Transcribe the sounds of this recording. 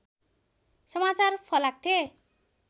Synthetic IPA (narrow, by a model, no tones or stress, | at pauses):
sʌmat͡sarpʰʌlak̚t̪ʰe